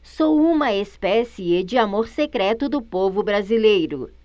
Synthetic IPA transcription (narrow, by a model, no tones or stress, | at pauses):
ssowũmɐespɛsied͡ʒɪamoɾsekɾɛt̪ʊd̪ʊpovʊbɾazilejɾʊ̰